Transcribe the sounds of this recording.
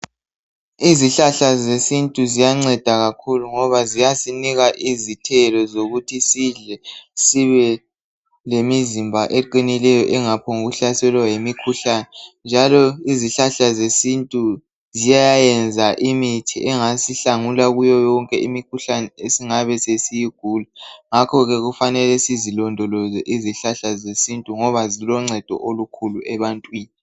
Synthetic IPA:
iziɬaɬazesintʼuzijaŋ͡ǀɛd̥ʱaɣakʰuluŋɔβazijasiniɣaʔizitʰɛlɔzoɣutʰisiɮɛsiβɛ | lemizimbʱaʔeǃinilɛjɔʔɛŋapʰɔŋuɣuɬasɛlwajemikʰuɬanɛnd͡ʒʱalɔiziɬaɬazesintʼu | zijajajɛnd͡zʱaʔimitʰiʔɛŋasiɬaŋulaɣujɔjɔŋkʼɛʔimikʰuɬanɛesiŋaβɛsesijiɡ̥ʱuːlaŋakʰɔɣɛɣufanɛlɛsizilɔndʱɔlɔzɛʔiziɬaɬazesintʼuŋɔβazilɔŋ͡ǀʱɛd̥ʱɔ̰ʔolukʰuluɛβantʼwiːni

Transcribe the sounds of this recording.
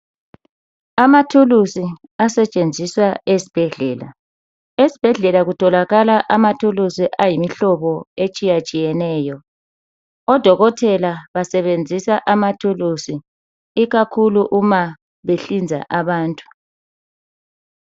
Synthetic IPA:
amatʰulusi | asɛt͡ʃʼend͡zʱiswaesi̥b̥ʱɛɮɛːla̰ | esi̥b̥ʱɛɮɛlaɣutʰɔlaɣalaʔamatʰulusiʔajimiɬɔβɔet͡ʃʼijat͡ʃʼijɛnɛːjɔ | ɔd̥ʱɔɣɔtʰɛlaβasɛβend͡zʱisaʔamatʰulusi | iɣakʰuluʔuma | βeɬind͡zʱa̰ʔaβaːntʼu̥

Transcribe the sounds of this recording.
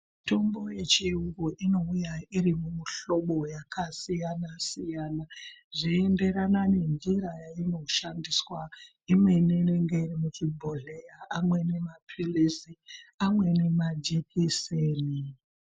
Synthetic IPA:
tʰo̞mbo̞je̞t͡ʃiuɡoʔino̞ujaiɾimumuɬo̞ɓo̞jakʰasijanasijaːnaʐiende̞ɾanane̞nd͡ʒiɾajaino̞ʃandiswa | imwe̞nene̞ŋɡe̞irimut͡ʃibʱo̞ɮe̞jaamwe̞ne̞maprilisiamwe̞ne̞mad͡ʒekʰiseːni

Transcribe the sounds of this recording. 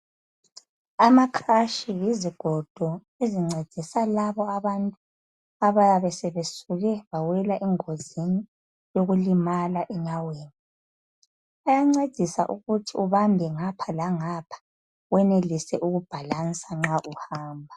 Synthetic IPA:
amakʰaʃijiziɡ̥ʱɔd̥ʱɔ | eziŋ͡ǀed̥ʱisalaβɔaβantʼu | aβaβɛsɛβesuɣɛβawɛlaʔɛŋozini | joɣulimalaʔɛɲaweːni | ajaŋ͡ǀed̥ʱisa̰ʔuɣutʰiuβambʱɛŋapʰalaŋapʰḁ | wɛnelisɛʔuɣub̥ʱalansʼaŋ͡ǁaʔuhaːmbʱa

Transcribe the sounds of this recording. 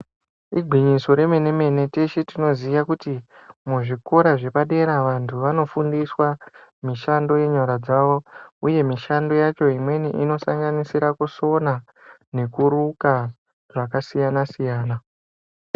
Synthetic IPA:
ḭɡʱwiɲiso̞ɾe̞me̞ne̞me̞ne̞te̞ʃetino̞zijakutimuʐiko̞ɾaʐe̞paɗe̞ɾaʋantʰuʋano̞fundiswamiʃando̞je̞ɲaɾad͡zaʋo̞uje̞miʃando̞jat͡ʃo̞imwe̞nḭʔino̞saŋɡanisiɾakuso̞na | ne̞kuɾuka | ʐakasijanasijaːna

